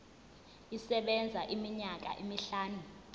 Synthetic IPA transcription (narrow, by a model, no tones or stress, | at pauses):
isɛɓɛnd͡zʱaʔimiɲak̬a̰ʔimiɬaːnu